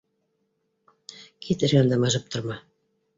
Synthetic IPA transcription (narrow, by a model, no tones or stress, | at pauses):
kʰit̪ɘ̆ɾɡænd̪æmɑʒɤp̚t̪ʰŏɾmɑ